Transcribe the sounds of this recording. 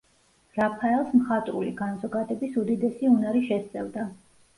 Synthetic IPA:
ɾapʰaɛlˠsmχat̪ʼɾṵlḭɡanzɔɡad̪ɛbisud̪id̪ɛsiunaɾiʃɛst̪sʼɛvd̪a

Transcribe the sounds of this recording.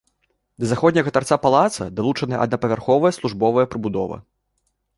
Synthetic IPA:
d̪ɐzaxɔd̪ʲnʲɐɣɐt̪art̪sapalˠat̪sɐ̰d̪alˠut͡ʂɐnɨjɛ̰ʔɐd̪nɐpɐvʲarxɔvɐjɐslˠuʐbɔvɐjɛpɾɨbud̪ɔvɐ̰

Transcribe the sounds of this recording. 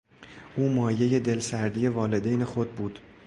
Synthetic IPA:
ʔuːmɒːje̞je̞d̪e̞lsæɾd̪ije̞vɒːle̞d̪ejnexod̪̚buːd̪̥

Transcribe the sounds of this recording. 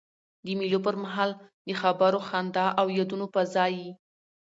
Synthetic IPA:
d̪əmiljopəɾmaɦɑld̪əxabaɾoxand̪ɑʔawjad̪unopəzɑji

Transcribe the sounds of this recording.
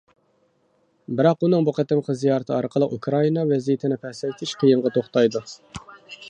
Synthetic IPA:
bɪɾɑqunɨŋbuqʰæt̪ɪmχʰəzijɑɾt̪ʰɨɑɾqʰəlˠəqukʰɾɑinɑvɛzijɪt̪ʰɪnɪpʰɛhsɛjt̪ʰɪʃqʰəjəɴʁɑt̪ʰoχt̪ɑjd̪u

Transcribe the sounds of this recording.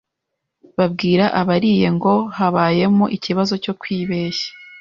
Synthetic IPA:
βab̚ɡiːɾaʔaβaɾiːje̞ŋɡo̞haβaːje̞moʔiciβazo̞co̞kwiːβe̞ːʃḁ

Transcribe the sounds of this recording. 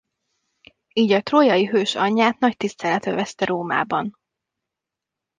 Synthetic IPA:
iːɟɒt̪roːjɒjiɦøːʃɒɲːaːt̪nɒct̪ist̪ɛlɛt̪øvɛst̪ɛɾoːma̰ːbɒn

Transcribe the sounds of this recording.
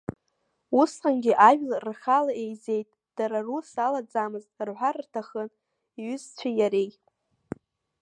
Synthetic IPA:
usqʼanɡʲɪʔaʒᶣlrχalae̞jze̞jtʼ | d̥aɾarusalad͡zamɨztʼrħʷarrtʰaχən | iɥʏzt͡ɕʷʰajaɾej

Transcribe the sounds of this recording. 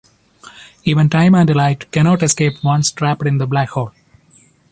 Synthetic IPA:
iːʋə̃nʈãɪ̃mæ̃ɳɖlaɪʈkɛñɔːʈɛskeːpʋʌ̃nsʈɾæpəɖɪ̃nd̪əblækhɔːl

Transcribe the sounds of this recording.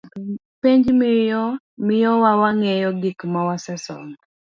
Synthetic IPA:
piɲd͡ʒmɪjɔ | mɪjɔwawaŋɛjɔɡɪkmawasɛsɔ̰ŋ

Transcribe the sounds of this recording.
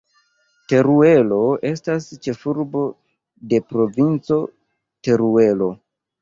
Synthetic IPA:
te̞ɾue̞lo̞e̞stast͡ʃe̞fuɾbo̞ | de̞pɾo̞vint͡so̞ | te̞ɾue̞lo̞

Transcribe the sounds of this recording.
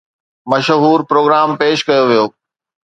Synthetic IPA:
mɐʃɦuːɾpɾoːɡɾaːmpeːʃkɐjoʋijoː

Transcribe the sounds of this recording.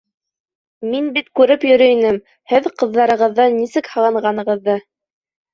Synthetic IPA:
minbit̪kʉɾɘpjɵ̆ɾɵ̆jnɘm | hɘðqɤ̆ðːɑɾɤ̆ʁɤ̆ðːɑnːisɘkhɤ̆lˠɑɴɢɑnɤ̆ʁɤ̆ðːɤ

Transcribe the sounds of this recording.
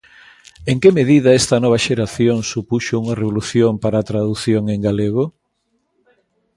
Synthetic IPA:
eŋkemeðiðɐɛst̪ɐnɔβ̞ɐʃeɾaθjoŋsupuʃouŋɐreβoluθjompaɾaːt̪ɾaðuθjoŋeŋɡaleɣ̞o

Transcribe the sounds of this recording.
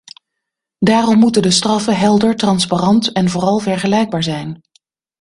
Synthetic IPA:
daːrɔmːutəndəstrɑfəɦɛlˠdəɹtrɑnsparɑntɛnvʊːrɑlˠvɛɹχəlɛjɡ̚baːɹzɛjn

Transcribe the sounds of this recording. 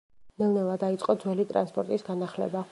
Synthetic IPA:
nɛlˠnɛvˠad̪ait̪sʼqʼɔd̪zwɛlit̪ʼɾa̰nspʼɔɾt̪ʼisɡanaχlɛ̰ba

